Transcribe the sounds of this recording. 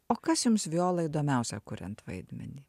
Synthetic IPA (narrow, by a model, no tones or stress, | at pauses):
oːkɐsjʊmsʋʲɪoːlˠɐiːd̪oːmʲɛʊsʲɛkʊɾʲɛ̰nt̪ʋɐɪd̪ʲmʲɛ̰nʲiː